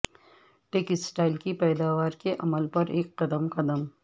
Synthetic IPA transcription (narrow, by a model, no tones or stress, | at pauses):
ʈeːkɪsʈaːɪlkipɛːd̪aːʋaːɾkeʔɐməlpɐɾeːkːɐd̪əmqɐd̪əm